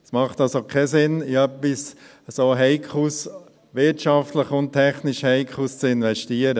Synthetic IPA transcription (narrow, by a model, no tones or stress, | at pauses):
smɑχtɑlsokʰɛsɪnɪœpːis | soːɦɛɪkʰχus | ʋɪtʃɑft̪ləχʊnttʰɛχnɪʃhɛɪkʰχust͡sɪnʋɛʃtiːəɾə